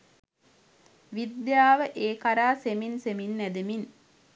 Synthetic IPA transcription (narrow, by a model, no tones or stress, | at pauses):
ʋid̪jaːʋəʔeːkaɾaːseminseminːæd̪emin